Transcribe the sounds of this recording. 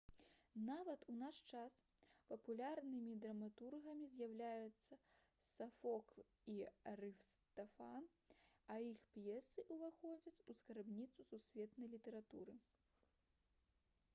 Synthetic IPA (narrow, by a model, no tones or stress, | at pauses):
navɐt̪unaʂt͡ʂas | pɐpulʲarnɨmʲid̪ɾɐmat̪urɣɐmʲizʲjawlʲajut̪sːɐ | sɐfɔk | iɾɨfst̪ɐfan | ɐixpjɛsɨʔuvaxɔd͡zʲɐt͡sʲuskaɾbnʲit̪sususʲvʲɛt̪nɐjlʲit̪ɐɾat̪ṵɾɨ